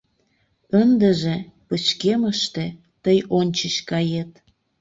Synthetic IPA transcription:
ənd̪əʒĕpət͡ɕkeməʃt̪ĕ | t̪əjonʲt͡ɕət͡ɕkɑjet̪̚

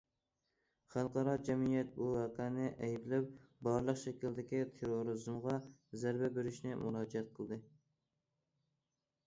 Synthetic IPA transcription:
χælˠqʰɑɾɑd͡ʒɛmijɛt̪̚buæqænɪʔɛjbɪlɛp̚bɑɾlˠəqʃɛkʲild̪ɪkʲit̪ʰeɾoɾɨzmʁɑzæɾbɛbeɾɪʃnɪmuɾɑːd͡ʒɛɛt̪̚qʰəlˠd̪ɨ

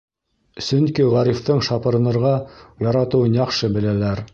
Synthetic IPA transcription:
sɵŋkiʁæɾift̪ɤɴʃɑpɤ̆ɾɤ̆nɤ̆ɾʁɑjɑɾɑt̪ɤ̆wɤnjɑqʃɤbɘ̆lælæɾ

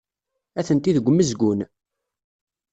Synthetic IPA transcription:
æθənt̪iðəɡʷmːəzɡʷʊn

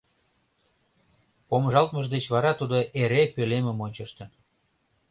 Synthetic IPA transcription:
pomʒɑlt̪məʒd̪et͡ɕβɑɾɑt̪ud̪oʔeɾepølemə̆monʲt͡ɕəʃt̪ə̆n

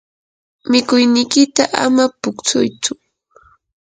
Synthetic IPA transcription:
mɪkʊjnɪjkɪt̪aʔa̰mapʊkt͡sʊjt͡sʊ

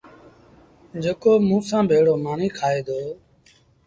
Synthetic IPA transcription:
d͡ʒeːkoːmũːsãːbʱeːɽoːmaːniːkʰaːeːd̪oː

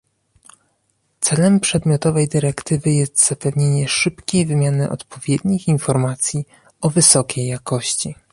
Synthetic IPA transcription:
t̪sɛlɛmpʂɛd̪mʲjɔt̪ɔvɛjd̪ɘɾɛkt̪ɘvɘjɛst̪z̥apɛvɲeɲɛʂɘpkʲejvɘmʲjanɘʔɔ̰t̪pʰɔvʲjed̪ɲixinfɔɾmat̪sʲji | ɔvɘsɔkʲʰejːakɔɕt͡ɕi

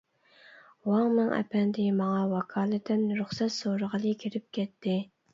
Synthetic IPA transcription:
wɑŋnɨŋʔɛ̰pʰɛnd̪ɪmɑŋɑwɑkʰɑːlˠɨt̪ʰɪnɾʊχsɛt̪soɾəʁəlˠɨkʲʰiɾɪp̚kʲʰɛt̪ʰːɪ

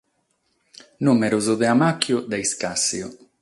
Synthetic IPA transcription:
numeɾʊzʊðeamakjʊd̪eiskasiʊ

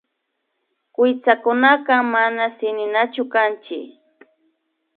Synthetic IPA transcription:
kɪjt͡sakʊnakamanasɪnɪnat͡ʃʊkant͡ʃɪ̰

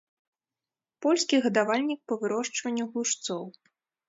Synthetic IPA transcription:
pɔlʲskʲiɣɐd̪avalʲnʲik̚pɐvɨɾɔʂt͡ʂvɐnʲːuɣuʂt̪sɔw

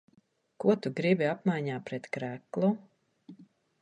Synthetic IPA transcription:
kuɔt̪uɡɾibiapmajɲaːpɾɛt̪kɾæklˠu

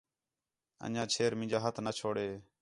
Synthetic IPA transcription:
ə̰̃d͡ʒãːt͡ʃʰeːɾmɪ̃nd͡ʒaːɦət̪ʰnət͡ʃʰoːɽeː

